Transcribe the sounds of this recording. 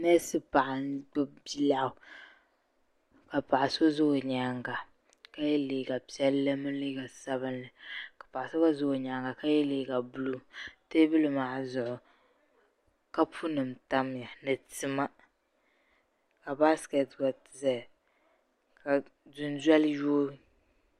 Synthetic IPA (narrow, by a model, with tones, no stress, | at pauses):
nɛ˦sɨ˦pa˨ʔa˨nɡ͡bbi˦la˦ʊ˨ | ka˨pa˨ʔa˨so˦zʊ˦˨ɲa˨ŋɡa˨ | ka˦jɛ˦leː˨ɡa˨pi˦ɛ˦lːɨ˦mɨ˦n˦li˦ɡa˨sa˦bɨ˦nlɨ˨kḁ˨pa˨ʔa˨so˦ba˦zʊ˦˨ɲa˨ŋɡa˨ka˦jɛ˦leː˨˦˨ɡa˨bʊ˦lu˦te˦bɨ˦lɨ˦maː˨zʊ˨ʔʊ˨ | ka˦pʰu˦nɨ˨m˨ta˦m˦ja˨nɨ˨tɨ˨ma˦ | ka˨ba˦skɛ˨tɡa˨tza˨ | ka˨dʊ˨nzɛ˦lju˦